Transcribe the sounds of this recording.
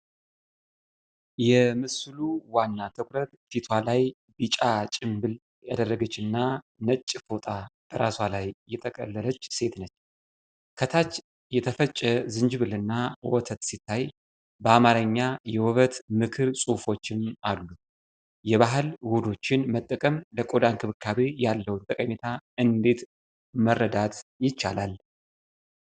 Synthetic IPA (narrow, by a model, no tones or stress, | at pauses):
jɛmɨsluwanːat̪ʰəkʷʰʼɾət̪fit̪ʰwalaj | bit͡ʃʼat͡ʃʼɪmbɨl | jad̪ərːəɡət͡ʃːɨnːa | nət͡ʃʼːfot̪ʼab̥əɾaswalajːɛt̪ʰʼəkʼə̰lːələt͡ʃːse̞t̪nət͡ʃː | kʰət̪ʰat͡ʃː | jɛt̪ʰəfət͡ʃʼːɛzɨnd͡ʒβɨlɨnːawɔt̪ʰət̪sit̪ʰːaj | bəamaɾəɲːajɛwɔβət̪mɨkʰɨɾsʼufo̞t͡ʃːɪnalːu | jɛβaɦɨlwod̪o̞t͡ʃːɪnmət̪ʼːəkʼəmləkʼod̪ankʰɨβɨkʰːaβejalːəwnt̪ʼəkʼəmet̪ʰaɨnd̪e̞t̪ | mərːəd̪at̪jɪt͡ʃːalal